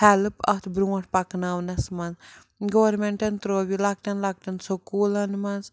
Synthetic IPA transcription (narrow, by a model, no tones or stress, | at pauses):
hɛlɨpɐt̪ʰbɾuɐʈ̚pɐknawnɐsmɐnz | ɡowɐɾmeɳʈɐnt̪ɾoːbʲilɐk̚ʈɐnlɐk̚ʈɐnsokulɐnmɐnz